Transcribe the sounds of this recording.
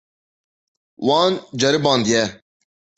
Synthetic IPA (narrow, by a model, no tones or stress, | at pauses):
wãːnd͡ʑɐɾɪbãːnd̪ijɛː